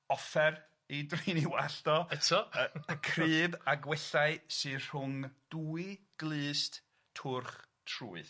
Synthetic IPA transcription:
ɔfɛr | idriniwaɬtɔɛtʰɔkʰrɨːbaɡwɛɬaɨsɨr̥ʊŋd̥uːɨ | ɡ̥lˠɨːst | tʰʊrχ | tʰruːɨð

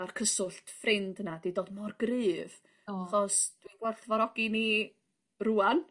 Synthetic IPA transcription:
arkʰəsʊɬtʰfrɪndnad̥idoːdmɔrɡrɨːv | aχɔsd̥wiɡwɛrθvɔɾɔɡini | ruːan

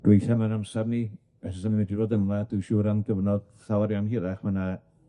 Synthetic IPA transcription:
d̥wejθamanamsabni | ɛsɔsaniwɛdiroːdəmlˠadujʃuːɾanɡəvnɔd̥θawaɾjanhiɾaχmana

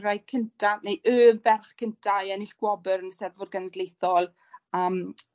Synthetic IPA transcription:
ɾajkʰəntʰanejʔøːmvɛrχkʰəntʰajɛnɪɬɡ̥wɔbəɾənəsɛðvʊrɡanəɡlejθɔlˠ | əːm

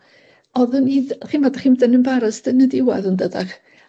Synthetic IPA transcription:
ɔðʊniːðχiːnmvɔdaχimdənənbaɾəsdənədɪwa̰ðəndədaχ

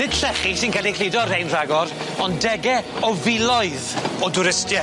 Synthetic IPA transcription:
nɪd̥ɬɛχisɪnkɛːlikʰl̥ɪdɔrhejnr̥aɡɔɾ | ɔndɛɡɛ | ɔvɪlɔɨðɔdʊɾɪstjɛ

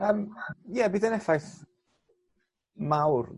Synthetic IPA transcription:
əːmjɛbiːdənɛfajθ | mawr

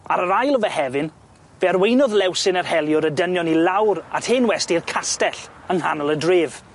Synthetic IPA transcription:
aɾəɾajlˠɔvɛhɛvɪn | v̥ɛrwejnɔðlˠɛwsɪnərhɛlˠjʊɾədənjɔnilˠawɾathɪnwɛstiðkʰastɛɬəŋhanəlˠədrɪːv

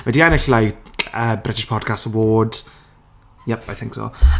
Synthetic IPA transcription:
wɛdiɛnɪɬlajkʰəbrɪtɪʃpʰɔd̥kʰastəwoːd̥ | jɛpajθɪ̃ŋksɔ̰

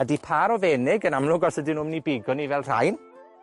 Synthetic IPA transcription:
ədipʰaːɾɔvɛːnɪɡənamlˠʊɡɔsədinʊmnibɪɡɔnivɛlˠr̥a̰jn

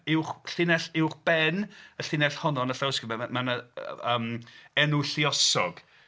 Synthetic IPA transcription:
ɪwχɬɪnɛɬɪwχb̥ɛnəɬɪnɛɬhɔnɔnəfawskɪmɛamanəəːmɛnʊɬiɔsɔɡ̥

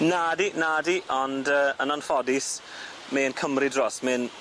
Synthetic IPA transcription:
naːdinaːdiʔɔndəːənɔnfɔdɪs | meənkʰəmridrɔsmɪn

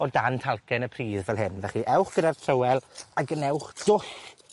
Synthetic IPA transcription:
ɔdantʰalˠkɛnəpʰriːðvɛlˠɦɪnvɛχiʔɛwχɡ̥ədartʰrəwɛlˠaɡənɛwχd̥ʊɬ

